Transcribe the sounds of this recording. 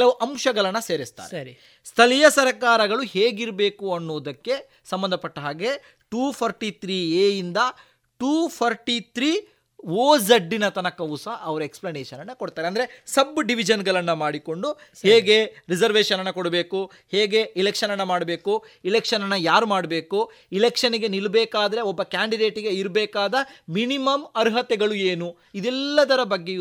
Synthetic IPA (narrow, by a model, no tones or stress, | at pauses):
lɐuʔɐmʃɐɡɐɭɐnːɐse̞ːɾist̪a̰ːɾeɾi | st̪ʰɐlijɐsɐɾɐkaːɾɐɡɐɭuheːɡiɾbe̞ːkuɐnːoːd̪ɐkːe̞ | sɐmbɐnd̪ʱɐpɐʈːɐɦaːɡe̞ | ʈuːpʰɐɾʈit̪ʰɾiːeːjind̪ɐ | ʈuːpʰɐɾʈit̪ʰɾiː | ʋoːzɐɖːinɐt̪ɐnɐkɐwsɐʔɐʋɐɾueksplɐneːʃɐnɐnːɐkoɽt̪aːɾeɐnd̪ɐɾe̞sɐbɖiʋid͡ʒɐnɡɐɭɐnːɐmaːɽiko̞ɳɖuheːɡe̞ɾid͡ʒɐɾʋeːʃɐnɐnːɐkoɽbe̞ːku | heːɡe̞ilekʂɐnɐnːɐmaːɽbeːku | ilekʂɐnɐnːɐjaːɾumaːɽbe̞ːku | ilekʂɐniɡe̞nilbɛːkaːd̪ɐɾe̞ɔbːɐkaːɳɖiɖe̞ːʈiɡe̞iɾbɛːkaːd̪ɐminimɐmɐɾɦɐt̪ɛɡɐɭueːnu | id̪ɛlːɐd̪ɐɾɐbɐɡːe